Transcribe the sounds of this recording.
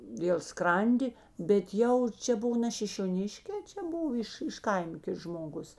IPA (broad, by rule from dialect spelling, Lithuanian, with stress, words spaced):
dʲeːlˠ ˈskrɐnʲdʲɪ bʲɛt ˈjɛʊ ˈt͡ʃʲɛ ˈbʊʋoː nʲɛ ʃʲɪʃʲoːˈnʲɪʃʲkʲeː ˈt͡ʃʲɛ ˈbʊʋoː ɪʃ ɪʃ ˈkɐɪmɐ ˈkʲɪts ʒmoːˈɡʊs